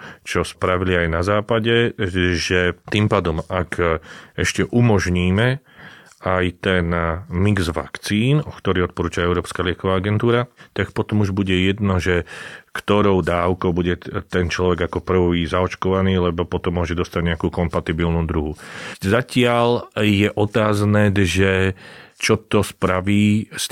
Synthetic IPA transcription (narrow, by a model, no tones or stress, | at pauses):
t͡ʃɔspɾaʋiliajnazaːpaɟɛʒɛt̪iːmpaːd̪ɔmakɛʃcɛʔumɔʒɲiːmɛ | ajt̪ɛnmiɡzʋa̰kt͡siːnɔkt̪ɔɾiːɔt̪̚pɔɾuːt͡ʃaɛʊɾɔːpskaːlɪɛkɔʋaːaɡɛnt̪uːɾat̪akpɔt̪ɔmuʒbuɟɛjɛd̪nɔʒɛkt̪ɔɾɔʊd̪aːʊkɔʊbuɟɛt̪ɛnt͡ʃlɔʋɛɡakɔpr̩ʋʋizaɔt͡ʃkɔʋaniːlɛbɔpɔt̪ɔmːʊɔʒɛd̪ɔst̪aɟɲɛakuːkɔmpat̪ibilnuːd̪ɾuɦuzacɪaljɛʔɔt̪aːznɛʒɛt͡ʃɔt̪ɔspɾaʋiːs